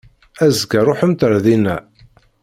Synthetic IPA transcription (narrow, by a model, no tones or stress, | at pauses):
æzɡæɾˤoħəmt̪əɾðinæ